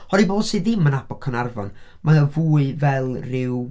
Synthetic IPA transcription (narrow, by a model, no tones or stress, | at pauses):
hɔɾiboːdsiðɪmːənabɔkʰənarvɔ̰n | maəvuːɨvɛlˠrɪw